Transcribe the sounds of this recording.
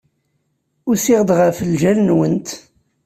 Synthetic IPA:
ʊɾsɪʁəd̪ʁəfəlʒælnwənt̪

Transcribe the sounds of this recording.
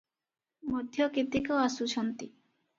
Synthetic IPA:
mɔd̪ʱjɔket̪ikoasut͡ʃʰɔnt̪i

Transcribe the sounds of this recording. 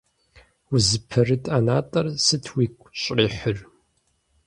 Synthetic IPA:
wʊzɨpʰɐrɨtʼanaːtʼɐrsɨtʰwiːkʷʰʼɕʼriːħʊr

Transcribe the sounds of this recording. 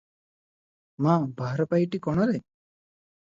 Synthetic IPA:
mabʱaɾpajʈikɔɽ̃ɔɾɛ

